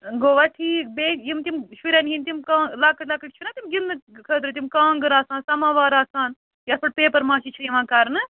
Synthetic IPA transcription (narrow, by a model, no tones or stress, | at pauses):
ɡoːʋaʈʰiːk̚beːkjimt̪imʃuɾʲɐnɦinʲt̪imkaːlakɐʈlakɐʈ̚t͡ʃʰunaːt̪imɡilɨkʰəd̪ɾɨt̪̬imkãːŋɡɨɾaːsaːnsɐmaːʋaːɾaːsaːn | jɐspɐʈ̚peːpɐɾmãːt͡ʃit͡ʃʰijiʋãːkaɾnɨ